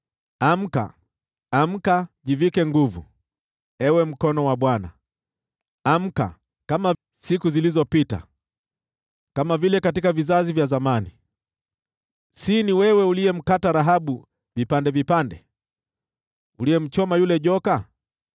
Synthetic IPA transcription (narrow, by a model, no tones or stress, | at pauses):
am̩ka̰ː | m̩kaʄivikɛŋɡuvṵ | ɛwɛm̩kɔnɔwaɓwana̰ | am̩ka̰ | kama | sikuzilizɔpita̰ | kamavilɛkatikavizazivjazamani | siniwɛwɛulijɛm̩kataɾaɦaɓu | vipandɛvipandɛ | ulijɛm̩t͡ʃɔmajulɛʄɔka